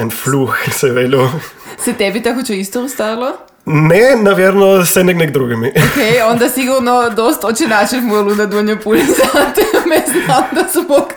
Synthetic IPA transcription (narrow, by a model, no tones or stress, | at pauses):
ɛnfluxsɛʋelusɛt̪ɛbit̪akot͡ʃɛist̪ɔɔst̪ailˠo | nɛnaʋjɛɾnɔsɛnɛɡnɛɡ̚d̪ɾuɡimiokejɔnd̪asiɡuɾnɔd̪ɔst̪ɔt͡ʃɛnaʃɛfmuɛlˠund̪ad̪uɲopulsat̪ɛmɛznad̪asmɔk